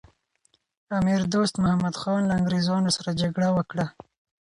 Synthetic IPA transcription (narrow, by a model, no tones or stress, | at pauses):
amiɾd̪ost̪mʊhamad̪xɑnlaaŋɡɾezɑnosaɾad͡ʒaɡɽawəkɽa